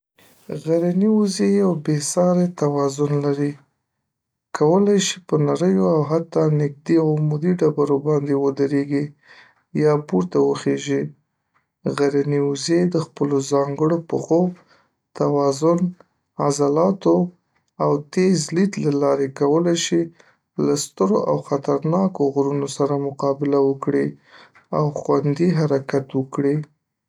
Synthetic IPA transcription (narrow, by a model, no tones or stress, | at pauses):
ɣaɾaniuzejawbesɑɾet̪awɑzʊnlaɾi | kawəlajʃipənaɾəjoawɦat̪ːɑnɪk̚d̪iawmud̪iɖabaɾobɑnd̪ewəd̪əɾeɡi | jɑpuɾt̪awəxeʒi | ɣaɾaniuzed̪əxpəlozɑŋɡəɽopəxo | t̪awɑzʊn | azalɑt̪o | awt̪ezlit̪lalɑɾekawəlajʃi | last̪əɾoʔawxat̪aɾnɑkoɣɾunosaɾamʊqɑbɪlawəkɽi | awxwand̪iɦaɾakat̪wəkɽi